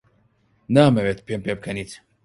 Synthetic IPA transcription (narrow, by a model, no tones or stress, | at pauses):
naːmɛvet̪pʰempep̚kʰɐnit̪